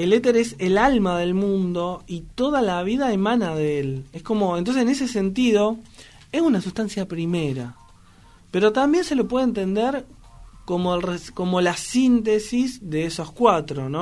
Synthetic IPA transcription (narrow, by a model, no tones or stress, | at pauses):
elet̪eɾeselalmaðe̞lmũnd̪o̞it̪o̞ðalaβiðaemãnaðeelehko̞mo̞ent̪onsesene̞sese̞nt̪iðo̞ | esunasust̪ansjapɾimeɾa̰ | pe̞ɾo̞t̪ambje̞nse̞lopweð̞ent̪̬e̞nd̪eɾ | ko̞molresko̞mo̞lasint̪esizðe̞esoskwat̪ɾo̞no